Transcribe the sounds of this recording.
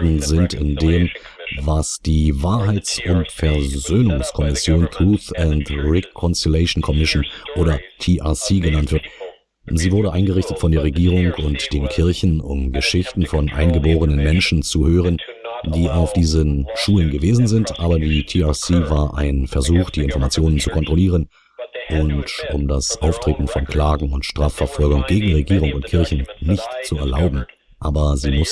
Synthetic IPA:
dn̩zɪntɪ̰ndeːm | vasd̥iːvaːɐɦaɪt͡sʊntfɛɐzøːnʊŋskʰɔmɪsjoːnt̪ʰʁ̥uːθɛntʁɛkʰɔnsilɛɪʃn̩kʰɔmɪʃnʔoːɾɐtʰiʔasiːɡənantv̥ɪɐt | ziːvʊɐɾəʔaɪnɡəʁɪçtətfɔndeːʁeɡiːʁ̞ʊŋkʰʊntd̥eːnkʰɪɐçn̩ʊ̰mɡəʃɪçtn̩fɔnʔa̰ɪnɡəboːʁənənmɛnʃn̩t͡suhøːʁ̞ən | d̥iːaʊfd̥iːzənʃuːlənɡəveːzn̩zɪntʔaːbɐdiːtʰiasiːvaːɐʔa̰ɪnfɛɐzuːxd̥iːɪnfɔɐmat͡sjoːnənt͡sukʰɔntʁ̥oliːʁən | ʔʊntʔʊ̰mdasʔaʊftʁ̥eːtn̩fɔnkʰl̥aːɡŋ̩ʊntʃtʁ̥aːfɛɐfɔlɡʊŋɡ̥eːɡŋ̩ʁeɡiːʁ̞ʊŋʊntkʰɪɐçn̩nɪçtt͡suɛ̰ɐla̰ʊbm̩ | ʔaːbɐziːmʊs

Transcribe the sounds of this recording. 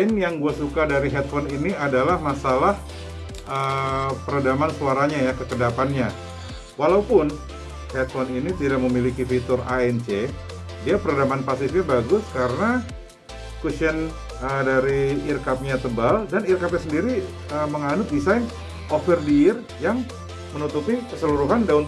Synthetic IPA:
ɪnjaŋɡuasukadaɾiɦɛt̪̚fɔniniadalahmasalah | ʔəpəɾadamansuaɾaɲajakəkədapanɲa | walaupʊn | hɛt̪̚fɔninit̪idak̚məmilikifit̪ʊraɛnt͡ʃe | diapəɾadamanpasifɲabaɡʊskaɾəna | kusən | ədaɾiːrkap̚ɲat̪əbaldanirkap̚ɲasəndiɾi | əməŋanʊt̪̚disajn | ʔofərdiɪr | jaŋ | mənut̪upikəsəluɾuɦandaʊn

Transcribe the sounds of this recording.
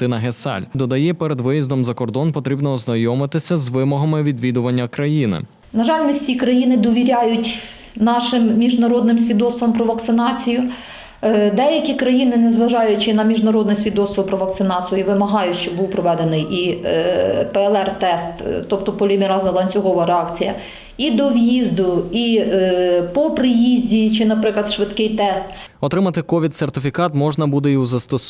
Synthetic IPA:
t̪ɪnɐɦesɛ̰lʲd̪ɔd̪ɐjɛpɛɾed̪ʋɪjizd̪ɔmzɐkɔrd̪ɔnpɔt̪ɾʲibnɔːznɐjɔmɪt̪ɪsʲɐzʋɪmɔɦɐmɪʋʲid̪ʋʲid̪ʊʋɐnʲːɐkɾɐjinɪ̰ | nɐʒɑlʲnɛwsʲikɾɐjinɪd̪ɔʋʲiɾʲajʊtʲ | nɑʃɪmːʲiʒnɐɾɔd̪nɪmsʲʋʲid̪ɔsʋɐmpɾɔʋɐkt̪sɪnɑt͡sʲijʊ | d̪ɛjɐkʲikɾɐjinɪnɛzʋɐʒɑjʊt͡ʃɪnɐmʲiʒnɐɾɔd̪nɛsʲʋʲid̪ɔsˠʋɔwpɾɔʋɐk̚t̪sɪnɑt͡sʲijʊʋɪmɐɦɑjʊʃt͡ʃɔbuwpɾɔʋɛd̪enɪjʔi | pɛɛlˠɛrt̪ɛst̪t̪ɔpt̪ɔpɔlʲimʲiɾɑzʊlˠɐnʲt͡sʲʊɦɔʋɐɾeɑkt͡sʲijɐ̰ | id̪ɔwjizd̪ʊi | pɔpɾɪjizʲdʲit͡ʃɪnɐpɾɪklˠɐd̪ʃʋɪt̪kɪjt̪ɛst̪ | ɔt̪ɾɪmɐt̪ɪkɔʋʲit̪sert̪ɪfʲikɑt̪mɔʒnɐbud̪ɛiuzɐst̪ɔs

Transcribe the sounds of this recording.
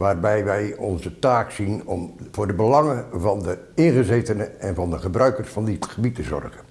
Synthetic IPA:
ʋaːrbɛjʋɛjɔnzətaːksinɔmvʊːrdəbəlɑŋəvɑndə | ɪnχəzejtənəʔɛnvɑndəχəbrœɥkərsfɑndɪtχəbitəzɔ̰rχən

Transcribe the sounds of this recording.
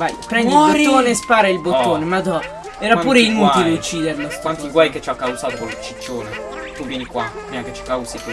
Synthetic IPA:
vajpɾɛnd̪lt̪ːoːnespaːɾailboːoːnemad̪ɔ | ɛːɾapuːɾeinuːt̪ilet͡ʃːiːd̪eɾlokwant̪iɡwajket͡ʃːakːawzaːt̪okolet͡ʃːit͡ʃːoːne | t̪uvjɛnikwafɾimaket͡ʃːi̥kawsik

